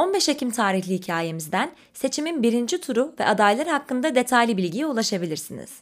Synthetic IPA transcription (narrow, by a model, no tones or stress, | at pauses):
o̞nbɛʃecʰimt̪ʰaːɾiçlʲihicʰaːje̞mizd̪æn | se̞t͡ʃʰiminbiɾind͡ʒit̪ʰuɾuvɛ̰ʔad̪ajlˠaɾɯhakːɯnd̪ad̪e̞t̪ʰajlʲibilʲɟijiulˠaʃabilʲiɾsinḭz̥